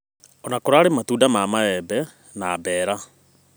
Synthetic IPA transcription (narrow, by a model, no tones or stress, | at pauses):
ɔnakoɾaːɾematuːdamaːmaɛbɛ | nabɛːɾa